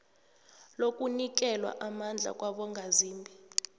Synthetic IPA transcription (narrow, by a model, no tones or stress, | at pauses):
lokʼunik̬ɛlwa̰ʔamand͡ɮʱa̰kʼwaɓɔŋɡʱaziːmbʱi